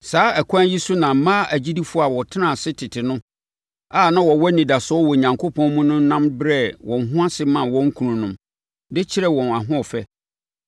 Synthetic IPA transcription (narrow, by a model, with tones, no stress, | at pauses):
saː˨˦æ˨kʷʰã˦ji˦su˦nã˨m̩˨mãː˦æ˨d͡ʑi˦di˦fʊ˦a˨wɔ˨tʰɪ˦nã˦˨sɪ˦tʰɪ˨tʰɪ˨nʊ̃˦ | a˦˨nã˦wɔ˨wɔ˦nĩ˨da˨sɔ˦wɔ˨ɲã˨ŋkʰo˦pʰɔ̃˦nmũ˦nʊ̃˦n˦nã˦mbɾɛ˦˨wʔɔ̃˨n˨ɦʊ̃˦a˦sɪ˦mã˨wɔ̃˦ŋ˦kʰu˨nũ˨nʊ̃˦m | dɪ˦t͡ɕʰɪ˦ɾɛ˦wɔ̃˨na˨ɦʊ̃˦ɔ˨fɛ˦